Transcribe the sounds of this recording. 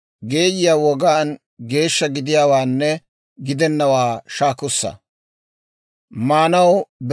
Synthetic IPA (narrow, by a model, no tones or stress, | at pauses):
ɡe̞ːjɪjaːwɔɡaːn | ɡe̞ːʃːɐɡɪd̪ɪjaːwaːnːɛ | ɡɪd̪ɛnːɐwaːʃaːkʊsːɐ̰ | maːnɐwb